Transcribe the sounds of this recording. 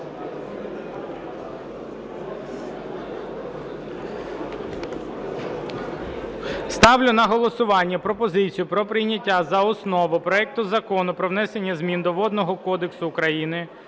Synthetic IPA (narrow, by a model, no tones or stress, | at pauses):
st̪ɑwlʲʊnɐɦɔlˠɔsʊʋɑnʲːɐpɾɔpɔzɪt͡sʲijʊpɾɔpɾɪjnʲɐtʲːazɐɔsnɔʋʊpɾɔɛk̚t̪ʊzɐkɔnʊpɾɔʋnɛsenʲːɐzmʲind̪ɔʋɔd̪nɔɦɔkɔd̪eksʊːkɾɐjinɪ